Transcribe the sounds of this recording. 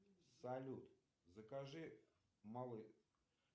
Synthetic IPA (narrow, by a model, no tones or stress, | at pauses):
sɐlʲut̪ | zəkaʐɨ | malˠɨ